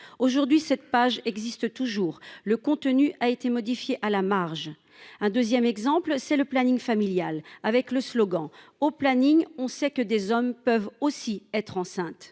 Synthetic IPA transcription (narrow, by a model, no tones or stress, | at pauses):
oʒuʁd̪ɥisɛt̪̚paʒɛɡzist̪ət̪uʒuːʁləkɔ̃t̪ənyʔaet̪emɔd̪ifjeʔalamaʁʒ | ɛ̃d̪øzjɛmɛɡzɑ̃plsɛləplaniŋfamiljalavɛkləslɔɡɑ̃oplaniŋɔ̃sɛkəd̪ezɔmpœvosiɛt̪χɑ̃sɛ̃t̪